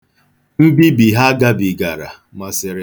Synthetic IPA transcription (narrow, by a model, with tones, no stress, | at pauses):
m̩˦bi˦bi˨ɦa˦ɡa˦bi˨ɡa˨ɾa̰˨ | ma˨sɪ˨ɾɪ˨